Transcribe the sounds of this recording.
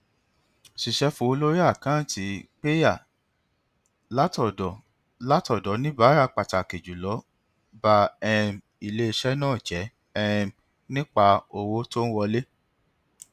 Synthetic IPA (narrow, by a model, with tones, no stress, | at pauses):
si˨ʃɛ˨˧˦fũ˨˦o˧lo˦ɾi˦a˦˨kã˦˨ti˨˦k͡pe˦ja˦˨ | la˦tɔ˦˨dɔ˨ | la˦tɔ˦˨dɔ˨˦nĩ˦ba˦ɾa˧k͡pa˨ta˨ke˨d͡ʒu˨lɔ˨˦ | ba˧ɛ˦˧m | i˧le˦˧ʃɛ˦nãː˦˨d͡ʒɛ˨˦ | ɛ˦˧m | nĩ˦k͡pa˧o˧wo˦to˦n̩˦wɔ˧le˦